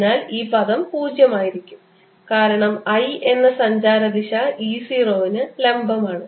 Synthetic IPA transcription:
naːliːpɐðɐmpuːd͡ʑjɐmaːjiɾikʲːum | kaːɾɐɳɐmɐje̞nːɐsɐɲd͡ʑaːɾɐd̪iɕɐiːsiːroːʋinɨle̞mbɐmaːɳɨ

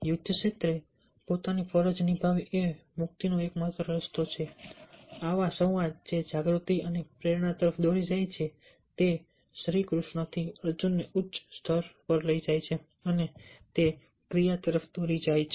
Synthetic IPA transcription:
jʊd̪ʱjəʃet̪ɾe | pot̪anifʰəɾəd͡ʒnibʱaʋemʊk̚t̪inoekməɦət̪ɾəɾəst̪ot͡ʃʰe | aʋasə̃ʋad͡ʒed͡ʒaɡɾut̪iənepɾeɾɳat̪əɾəfʰd̪oɾid͡ʒajt͡ʃʰe | t̪e | sɾikɾuʃɳət̪ʰiəɾd͡ʒunːeʔʊtːʃst̪ʰəɾpəɾləid͡ʒajt͡ʃʰe | ənet̪e | kɾijat̪əɾəfʰd̪oɾid͡ʒajt͡ʃʰ

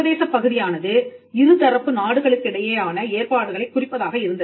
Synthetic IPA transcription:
ɐðeːʂɐpːɐɣɯðɪjaːnɐðɯɪɾɯt̪ɐɾɐpːɯnaːɽɯɣɐɭɯkːɪɽɐjeːaːnɐeːɾpaːɽɯɣɐɭɐɪkːʊrɪpːɐðaːɣɐɪɾɯnd̪ɐ

